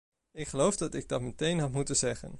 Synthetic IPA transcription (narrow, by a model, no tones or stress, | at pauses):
ɪkχəlowvdɑtɪɡ̚dɑtmətejnɦɑtmutənzɛχə̰n